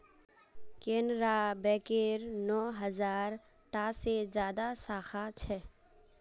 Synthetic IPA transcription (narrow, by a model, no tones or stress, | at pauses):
kẽːnɾabɛːkeɾnɔːɦəzaːɾ | ʈaːsezjaːd̪asaːxat͡ʃʰɛ